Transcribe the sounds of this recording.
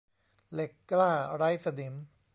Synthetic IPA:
le˨˩kːlaː˥˩ɾa˦˥jsa˧di˩˦m

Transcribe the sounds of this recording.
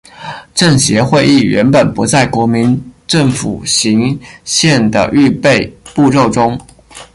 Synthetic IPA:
ʈ͡ʂɤ˥˩ŋɕjɛ˧˥xwe˥˧ɪi˥˩ɥɛ˧˥npə˨˩npu˧˥t͡sa˥˩ɪkwɔ˧˥mi˧˥nʈ͡ʂɤ˥˩ŋfṵ˨˩ɕi˧˥ŋɕjɛ˥˩nd̪ə̰˩ʔy˥˧pe˥˧ɪpu˥˧ɻo˥˩ʊʈ͡ʂʊ˥ŋ

